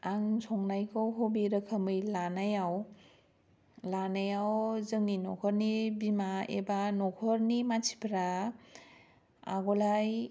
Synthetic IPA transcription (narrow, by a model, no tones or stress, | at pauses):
aŋsʰɔŋnajkʰɔwɦobiɾɯkʰamɯjlanajaw | lanajawzɯŋninɔ̰kʰɔɾnibimaḛbanɔkʰɔɾnimat͡ʃʰi̥pʰɾa | a̰ɡɔlaj